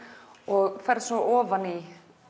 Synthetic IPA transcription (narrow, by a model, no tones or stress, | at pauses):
ɔɣfɛɾsɔʔɔːvani